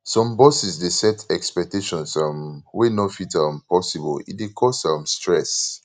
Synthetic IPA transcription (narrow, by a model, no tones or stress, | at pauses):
sɔ̃mbɔsisdesɛtɛkspɛk̚teʃɔ̃nsãmwenɔfitãmpɔsibɔlḭdekʰɔsãmstɹɛs